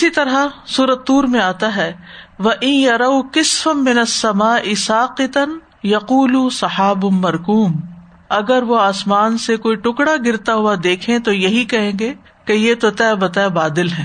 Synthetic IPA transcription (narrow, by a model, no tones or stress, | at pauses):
ɪsit̪ɐɾɦasuːɾət̪ːuːɾmẽaːt̪aɦɛːʋɐʔɪnjɐɾɐwkɪsfɐːɪnɐsːɐmaːʔɪsaːqɪt̪ɐn | jɐquːlusɐħaːbʊmːɐɾkuːm | ɐɡəɾʋoaːsmaːnsekoːiʈʊkɽaɡɪɾt̪aɦʊad̪eːkʰẽt̪ojɐɦikɐɦẽːɡe | kejet̪ot̪ɛbɐt̪ɛbaːd̪ɪlɦɛ̃ː